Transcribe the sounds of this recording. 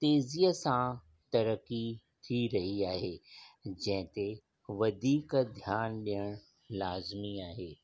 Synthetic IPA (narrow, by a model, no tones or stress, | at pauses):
t̪eːziːəsã | t̪ɐɾəkːi | t̪ʰiɾɐɦiaːɦeːd͡ʑɐ̃ɦɪ̃t̪e | ʋɐd̪ʱiːkd̪ʱjaːnɗijəɽ̃ | laːzmiaːɦeː